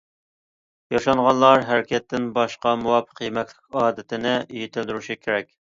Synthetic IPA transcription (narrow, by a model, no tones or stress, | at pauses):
jɑʃɑɴʁɑnlˠɑɾɦæɾɪkʲʰɛt̪ːɪnbɑʃqɑmuwɑpʰə̥qjimɛkʲlɪkʲɑːd̪ɪt̪ʰɪnɪʔyjit̪ʰɪld̪yɾuʃikʲʰeɾɛkʲ